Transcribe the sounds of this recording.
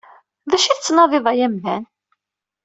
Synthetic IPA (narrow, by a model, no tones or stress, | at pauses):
ðæʃiθt͡sːnɑðˤɪðˤɑjæmðæn